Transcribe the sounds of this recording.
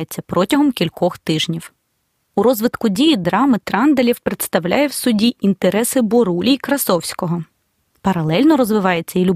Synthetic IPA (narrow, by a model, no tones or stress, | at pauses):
jet͡sʲːɐpɾɔtʲɐɦɔmkʲilʲkɔxt̪ɪʒnʲiw | uɾɔzʋɪt̪kʊdʲijid̪ɾɑmɪt̪ɾɑnd̪elʲiwpɾet̪st̪ɐwlʲajɛwsʊdʲiʔint̪eɾɛsɪbɔɾulʲiikɾɐsɔwsʲkɔɦɔ | pɐɾɐlˠɛlʲnɔɾɔzʋɪʋɑjet͡sʲːɐilʲʊ